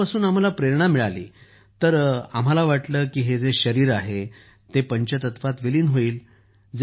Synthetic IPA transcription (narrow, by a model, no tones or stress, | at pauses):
asuːnam̤alapɾeɾɳ̃amiɭalḭː | t̪əɾa̰m̤alaʋaʈləːkiːɦed͡zeɕəɾiːɾaɦe | t̪epəɲt͡ɕət̪ət̪fat̪ʋeliːnɦoiːl | d͡z